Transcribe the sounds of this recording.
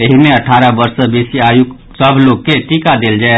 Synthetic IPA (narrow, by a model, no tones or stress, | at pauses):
eɦimeəʈʰaɾəbəɾsəbesiajuk | səbʱloɡ̚keʈikad̪eld͡ʒae